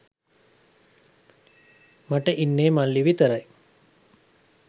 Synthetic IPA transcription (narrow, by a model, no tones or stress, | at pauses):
maʈəʔinːeːmalːiʋit̪əɾaj